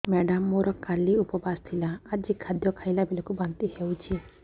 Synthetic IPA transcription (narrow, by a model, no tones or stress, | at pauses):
mɛɖamːoɾɔkaliupɔbast̪ʰilaːd͡ʒikʰad̪jɔkʰajlabilɔkubant̪ihewt͡ʃʰi